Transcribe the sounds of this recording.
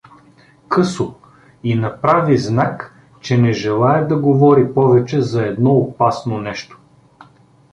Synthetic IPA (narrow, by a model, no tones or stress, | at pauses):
kɤso | inɐpɾaviznak | t͡ʃɛnɛʒɛlˠaɛd̪ɐɡovɔɾipɔvɛt͡ʃɛzɐɛd̪nɔopasnonɛʃt̪o̥